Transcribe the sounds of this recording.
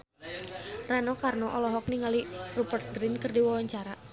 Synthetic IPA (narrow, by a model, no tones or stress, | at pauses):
ranɔkarnɔʔɔlɔɦɔk̚niŋalirubərt̪̚ɡɾinkərdiwɔwaɲt͡ʃaɾa